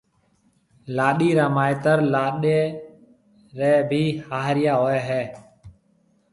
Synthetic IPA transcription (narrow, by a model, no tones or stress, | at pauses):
laːɗiːɾaːmaːeːt̪əɾlaːɗeː | ɾeːbʱiːhaːɦɾɪjaːɦoːɛːɦɛː